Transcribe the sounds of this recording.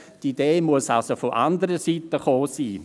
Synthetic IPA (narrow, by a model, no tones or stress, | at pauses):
tideːmuəsalsofoʔandəɾəsitəχoːsiː